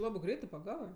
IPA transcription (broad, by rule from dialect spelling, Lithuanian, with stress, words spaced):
ˈlˠɑːbɜ ˈɡrʲɛɪtɜ pɐˈɡɑːʋɜ